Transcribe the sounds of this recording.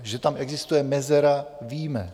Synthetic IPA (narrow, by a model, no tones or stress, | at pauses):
ʒɛt̪amʔɛɡzɪst̪ujɛmɛzɛɾaviːmɛ